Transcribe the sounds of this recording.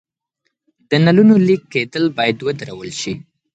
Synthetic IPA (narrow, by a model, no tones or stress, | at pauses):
d̪̥ənalunolikːed̪əlbɑjad̪wəd̪aɾawəlʃi